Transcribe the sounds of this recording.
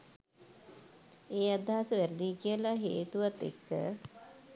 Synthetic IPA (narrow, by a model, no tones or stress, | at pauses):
eːad̪ʱaɦasəʋæɾəd̪ikijəlaɦeːt̪uʋat̪ḛkːə̰